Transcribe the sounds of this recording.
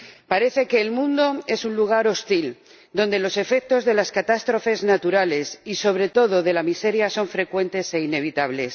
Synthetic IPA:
paɾe̞θe̞ke̞ːlmũnd̪o̞e̞sunluɣ̞aɾo̞st̪il | d̪o̞nd̪e̞lo̞se̞fe̞k̚t̪o̞zðe̞laskat̪ast̪ɾo̞fe̞znat̪uɾale̞siso̞β̞ɾe̞t̪o̞ðo̞ðe̞lamise̞ɾjaso̞ɱfɾe̞kwe̞nt̪e̞se̞ine̞βit̪aβ̞le̞s

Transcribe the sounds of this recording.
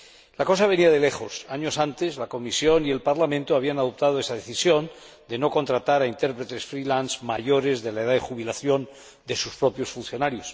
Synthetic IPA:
lako̞saβ̞e̞niaðe̞le̞xo̞saɲo̞sant̪e̞zlako̞misjo̞nie̞lpaɾlamẽnt̪oaβianaðop̚t̪að̞oe̞saðe̞θisjo̞n | d̪e̞no̞ko̞nt̪ɾat̪aɾaint̪e̞ɾpɾe̞t̪e̞sfɾilanzmaʝo̞ɾe̞zðe̞laeðaðexuβilaθjo̞n | d̪e̞suspɾo̞pjo̞sfunθjo̞naɾjo̞s

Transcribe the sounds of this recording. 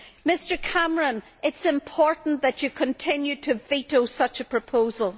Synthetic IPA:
mɪstə˞kʰaməɹə̃n | ɪtsɪ̃mpʰɔɹʔn̩ðət͡ʃɨkʰə̃ntʰɪ̃njʉtʰɨvitosʌt͡ʃəpʰɹ̥əpʰoːzəlˠ

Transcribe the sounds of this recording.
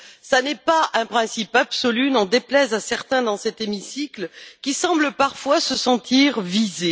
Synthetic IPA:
sanɛpaʔɛ̃pχɛ̃sipabsɔlynɔ̃d̪eplɛzasɛʁt̪ɛ̃d̪ɑ̃sɛt̪emisikləkʲisɑ̃bləpaʁfwasəsɑ̃t̪iʁvize

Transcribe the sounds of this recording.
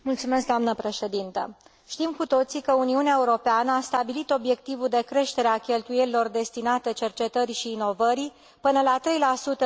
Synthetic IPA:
mult̪sume̞sk̚d̪oamnəpɾe̞ʃe̞d̪int̪ə̰ | ʃt̪imkut̪o̞t̪sikəuniuneaeuɾo̞peanəast̪abilit̪o̞bje̞k̚t̪ivud̪e̞kɾe̞ʃt̪e̞ɾeakʲe̞lt̪uje̞lilo̞rd̪e̞st̪inat̪ət͡ʃe̞rt͡ʃe̞t̪əɾiʃiːno̞vəɾi | pɨnəlat̪ɾe̞jlasut̪ə

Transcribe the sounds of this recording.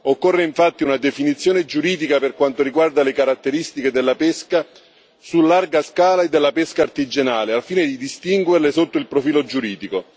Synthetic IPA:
okːɔrːeiɱfat̪ːiunad̪efinit̪sːjoːned͡ʒuɾiːd̪ikaperkwant̪oɾiɡward̪alekaɾat̪ːeɾist̪iked̪elːapeska | sulːarɡaskaːlaed̪ːelːapeskaːrt̪id͡ʒenaːleafiːned̪id̪ist̪iŋɡwerlesot̪ːoilpɾofiːlod͡ʒuɾiːd̪iko

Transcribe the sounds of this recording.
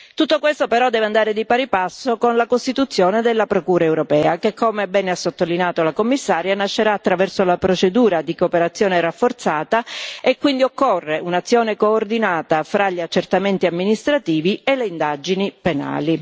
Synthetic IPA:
t̪ut̪ːokwest̪opeɾɔd̪ːɛːveand̪aːɾed̪ipaɾipasːokonlakost̪it̪ut̪sːjoːned̪elːapɾokuːɾaewɾopɛːakekʰːoːmebɛːneasːot̪ːolinjaːt̪olakomːisːaːɾjanaʃːeɾaːt̪ːɾavɛrsolapɾot͡ʃed̪uːɾad̪ikopeɾat̪sːjɔːneɾafːort̪saːt̪aekːwind̪iokːorːeunat̪sːjoːnekoːrd̪inaːt̪afɾaʎːiat͡ʃːert̪ament̪iamːinist̪ɾat̪iːvieleind̪ad͡ʒinipena̰ːli

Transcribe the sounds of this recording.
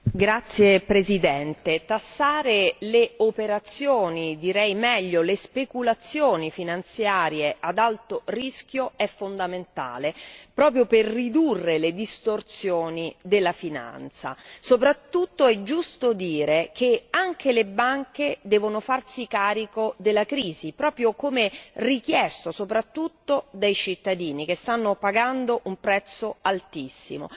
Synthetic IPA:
ɡɾat̪sːjepɾezid̪ɛnt̪et̪asːaːɾeleopeɾat̪sjoːnid̪iɾɛjmɛʎːolespekulat̪sːjoːnifinant̪sjaːɾjeʔad̪alt̪orisk̟joɛfːond̪ament̪a̰ːlepɾɔːpɾjoperːid̪urːeled̪ist̪ort̪sjoːnid̪elːafina̰nt̪sa̰sopɾat̪ːut̪ːoɛd͡ʒːust̪od̪iːɾekʰeaŋkelebaŋked̪ɛːvonofarsikaːɾikod̪elːakɾiːzipɾɔːpɾjokomerik̟jɛst̪osopɾat̪ːut̪ːod̪ejt͡ʃit̪ːad̪iːnik̟est̪anːopaɡand̪oʔumpɾɛt̪sːoalt̪isːḭmo̰

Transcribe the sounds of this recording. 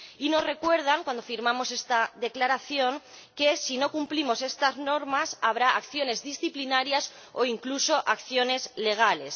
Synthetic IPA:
ino̞sre̞kwe̞ɾð̞aŋkwand̪o̞fiɾmãmo̞se̞st̪aðe̞klaɾaθjo̞ŋke̞sino̞kumplimo̞se̞st̪azno̞ɾmasaβ̞ɾaakθjo̞ne̞zðisθiplinaɾjas | o̞iŋkluso̞ʔakθjo̞ne̞zle̞ɣ̞ale̞s

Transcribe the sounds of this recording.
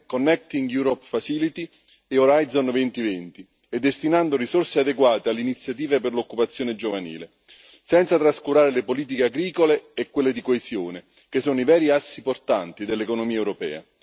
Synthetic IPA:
konːɛk̚t̪iŋɡjuɾɔpfasilit̪i | eoɾajd̪zonvɛnt̪ivɛnt̪i | ɛd̪ːest̪inand̪orisorsead̪eɡwaːt̪ealːeinit̪sːjat̪̬iːveperlokːupat̪sːjoːned͡ʒovanḭːle | sɛnt̪sat̪ɾaskuɾaːɾelepoliːt̪̬ikeaɡɾiːkoleːkːwelːed̪ikoezjoːne | k̟esːoːnoivɛːɾiasːiport̪ant̪id̪elːekonomiːaɛwɾopɛ̰ːa̰

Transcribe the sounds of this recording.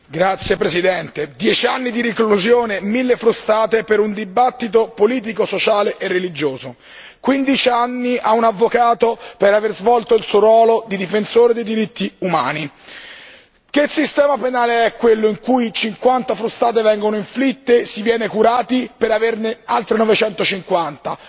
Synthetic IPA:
ɡɾat̪sːjepɾesid̪ɛnt̪ed̪jɛt͡ʃianːid̪iɾikluzjoːnemilːefɾust̪aːt̪epeɾund̪ibat̪ːit̪opoliːt̪̬ikosot͡ʃaːleʔerːelid͡ʒoːzo | kwind̪it͡ʃianːiʔaunavːokaːt̪opeɾaverzvɔlt̪oilsuoɾwɔːlod̪id̪ifensoːɾed̪ejd̪iɾit̪ʰːiuma̰ːni | kesist̪ɛːmapenaːleɛkːwelːoiŋkujt͡ʃiŋkwant̪afɾust̪aːt̪evɛŋɡonoiɱflit̪ːesivjɛːnekuɾaːt̪ipeɾavernealt̪ɾenɔvet͡ʃɛnt̪ot͡ʃiŋkwant̪a

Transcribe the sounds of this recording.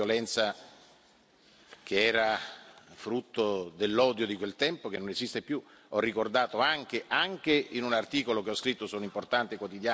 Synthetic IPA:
jolɛnt̪sa | kʰeɛːɾafɾut̪ːod̪elːɔːd̪jod̪ikwelt̪ɛmpok̟enːonezist̪epju | ɔrːikord̪aːt̪oaŋkeʔaŋkeinunart̪iːkolokeɔskɾit̪ːosɔːnoimport̪ant̪ekwot̪id̪jaː

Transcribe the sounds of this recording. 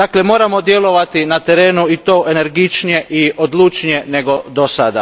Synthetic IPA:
d̪aːkle̞mo̞ːɾamo̞d̪je̞lˠo̞ʋat̪inat̪e̞ɾe̞ːnuit̪o̞ːʔe̞ne̞ɾɡit͡ʃnije̞ʔiod̪lut͡ʃnije̞ne̞ɡo̞d̪osa̰d̪a̰

